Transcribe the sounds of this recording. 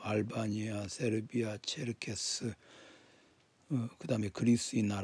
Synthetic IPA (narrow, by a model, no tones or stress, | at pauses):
aɭbaɲiasʰeɾbiat͡ɕʰeɾkʰesɯ | kɯdaɦɯme̞kɯɾisɯinaɾ